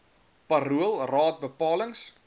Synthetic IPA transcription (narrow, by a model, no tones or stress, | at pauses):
pɐɾuəlˠrɑːt̚bəpɑːləŋs